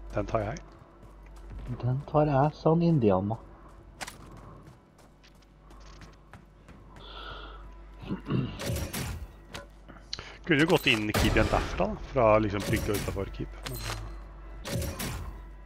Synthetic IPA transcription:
d̪̥ɛnt̪ʰɑːɾjæɪ | d̪ɛnt̪ʰɑːɾæsɑnɪnd̪ɪɑnmːɑ | kʰʉnːəjʊɡɔt̪ːɪnːɪkʰiːb̪ɪənd̪æfɾɑ̰d̪ɑfɾɑlɪksɔmpʰɾɪkt̪ɪɔʉːt̪ːɑfɔɾkʰiːp̪ɛn

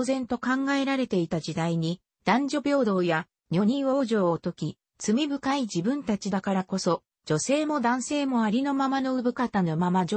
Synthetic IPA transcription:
zẽ̞nt̪o̞kãŋɡae̞ɾaɾe̞t̪e̞it̪ad͡ʑid̪aiɲ̟i | d̪̥ãɲ̟d͡ʑo̞bʲo̞ːd̪o̞ːja | ɲʲo̞ɲ̟ĩɰo̞ːʑo̞ːot̪o̞kʲi | t͡sɨmʲibɯ̟kaid͡ʑibɯ̟̃nt̪at͡ɕid̪akaɾako̞so̞ | d͡ʑo̞se̞ːmo̞d̪ãɰ̃se̞ːmo̞aɾʲino̞mamano̞ɯ̟bɯ̟kat̪anomama

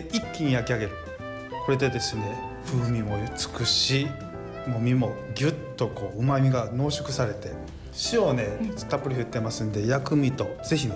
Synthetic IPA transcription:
ikʲːiɲ̟ijakʲiaɡe̞ɾɯ̟ | ko̞ɾe̞d̪e̞d̪e̞sɨne̞ | ɸɯːmʲimo̞t͡sɨ̥kɯ̟ɕi | mo̞mʲimo̞ɡʲɯt̪ːo̞ko̞ːɯ̟mamʲiɡano̞ːɕokɯ̟saɾe̞t̪e̞ | ɕio̞ne̞st̪ːapːɯ̟ɾʲihɸɯ̟t̪ːe̞masɨ̃nd̪e̞jakɯ̟mʲit̪o̞z̥e̞çi

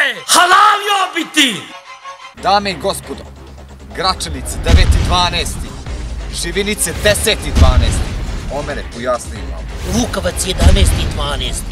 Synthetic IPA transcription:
hɐlaːliobit̪i | d̪aːmeiɡospod̪o̰ | ɡɾat͡ʂanit̪sed̪eʋet̪id̪ʋaːneːst̪iʒiʋinit̪sed̪eseːt̪id̪ʋaːneːst̪iomeɾepojaːsnima̰ | ɾuːkɐʋɐt̪sjed̪aːneːst̪id̪ʋaːneːst̪

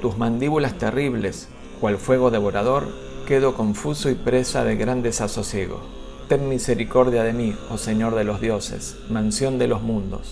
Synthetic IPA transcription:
t̪uzmãnd̪iβulast̪eriβles | kwalfwe̞ɣ̞o̞ðeβ̞o̞ɾað̞o̞ɾ | keðo̞ko̞ɱfusoipɾesaðe̞ɣɾand̪esaso̞sje̞ɣo̞̰ | t̪eŋmiseɾiko̞ɾðjaðemioseɲoɾðelo̞zðjo̞sḛs | mãnsjo̞nd̪elo̞zmũnd̪o̞̰s

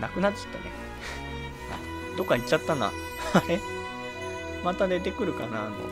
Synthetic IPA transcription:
nakɯ̟nat͡ɕːḁt̪ːa̰nḛ | a̰ | d̪o̞kːait͡ɕːat̪ːana̰ | ae | mat̪ad̪e̞t̪̬e̞kɯ̟ɾɯ̟ka̰nana̰

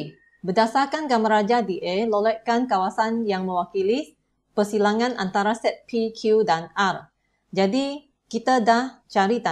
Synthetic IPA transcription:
bədasarkanɡamaɾad͡ʒadiʔelolɛʔkankawasanjaŋmə̃wakili | pərsilaŋãnʔant̪aɾasɛt̪̚pikʰudanar | d͡ʒadi | kit̪adaht͡ʃaɾit̪a

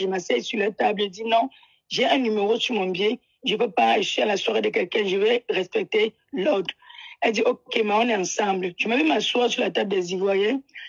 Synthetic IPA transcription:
ʒəmasɛsylatablɛdinɔ̃ | ʒɛɛ̃nymeʁosumɔ̃bje | ʒəvɛpaʒəsɥiãlaswaʁedəkɛlkɛ̃ʒəvɛʁɛspɛk̚te | lɔdɛldiʔokemaɔ̃nɛɑ̃sɑ̃blʒəmavimaswasylatab̚dɛzivwajɛ

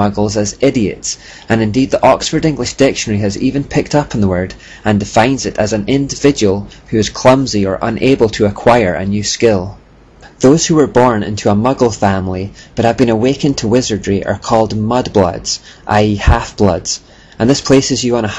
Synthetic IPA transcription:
ʌɡl̩ˠzəzɪɾiɨ̰ts | ə̃nɨ̃ndid̪̚ðiʔɔksfə˞dɪ̃ŋɡlˠɪʃd̥ɪkʃə̃nə˞iɨzivɨ̃npʰɪk̚tʰʌpn̩ðəwɜ˞d | ə̃ndɪfãɪ̃nzɪʔəzə̃nɪ̃ndɪvɪd͡ʒəwəlˠhʉɪz̥kʰl̥ʌ̃mziə̰˞ʔə̰̃nʔebəlˠtʰəːkʰw̥aɪə˞ə̰njʉːskɪlˠ | ðoz̥hʉə˞bɔɹnɪ̰̃ntʰʉəmʌɡl̩ˠfãmlˠib̥ʌʔhəvbĩnəwekə̃ntʰəwɪzə˞dɹiʔə̰˞kʰɔlˠdmʌdblˠʌ̰dz̥ʔa̰ɪihafb̥lˠʌ̰dz̥ | ʔə̃nðɪspʰesɪzjəə̃nə

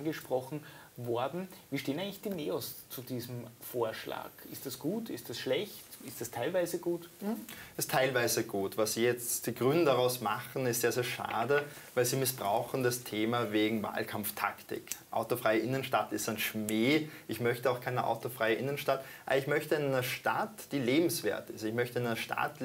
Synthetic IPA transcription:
nɡəʃpʁ̥ɔxn̩vɔɐdn̩viːʃteːnaɪŋlɪçd̥iːneːɔst͡sud̥iːzm̩foːɐʃla̰ːkɪstd̥asɡ̥uːtɪstd̥asʃlɛçtɪstd̥astʰaɪlvaɪzəɡuːtʔɪstʰaɪlvaɪzəɡuːtvasz̥iːjɛt͡std̥iːɡʁʏnəndaʁaʊsmaχn̩ɪstjaːzeːɐʃa̰ːdə | vaɪlziːmɪsb̥ʁaʊxn̩dastʰeːmaveːɡŋ̩va̰ːlkʰamftʰa̰ktɪ̰kʔa̰ʊtofʁ̥aɪəʔɪnənʃtatɪstaɪnʃmeːʔɪçmœçtəaʊxkʰaɪnəʔa̰ʊtofʁ̥aɪəʔɪnənʃtatʔaːbɐɪçmœçtəɪnanəʃta̰td̥iːleːbm̩sv̥ḛːɐtɪstɪçmœçtənaɪnɐʃtʰa̰t

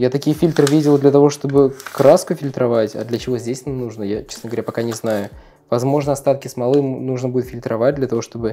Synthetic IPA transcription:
jat̪ɐkʲijəfʲilʲt̪rɨvʲidʲɪlˠd̪lʲət̪ɐvo̞ʂt̪o̞bɨkɾaskʊfʲɪlʲt̪ɾɐvatʲa̰d̪lʲət͡ɕɪvo̞zʲdʲesʲnamnuʐnəjat͡ɕesnəɡəvɐɾʲapɐkanʲɪznajʊ | vɐzmo̞ʐnəɐst̪at̪kʲɪsmɐlˠɨmnuʐnəbudʲɪt̪fʲɪlʲt̪ɾɐvat̚ʲd̪lʲət̪ɐvo̞ʂt̪o̞bɨ

